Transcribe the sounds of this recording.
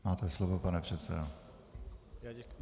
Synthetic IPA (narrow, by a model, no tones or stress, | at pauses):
maːt̪ɛslovopanɛpr̝̥ɛt̪sɛ̰do